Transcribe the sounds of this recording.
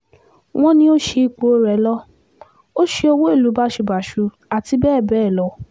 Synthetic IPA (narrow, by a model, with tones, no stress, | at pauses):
w̃ɔ̃˦nĩ˧o˦ʃe˧i˧k͡po˨˦ɾɛ˨˦lɔ˦ | o˦ʃe˧o˧wo˦e˦˨lu˨˦ba˦ʃe˧ba˨ʃu˨˧ | a˨ti˧bɛː˦˨bɛː˦˨lɔ˧˦